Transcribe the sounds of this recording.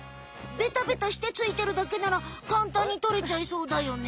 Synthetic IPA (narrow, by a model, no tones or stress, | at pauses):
be̞t̪abe̞t̪aɕi̥t̪e̞t͡sɨit̪e̞ɾɯ̟d̪ake̞naɾakãnt̪ãɲ̟ːit̪o̞ɾe̞t͡ɕaiso̞ːd̪ajo̞ne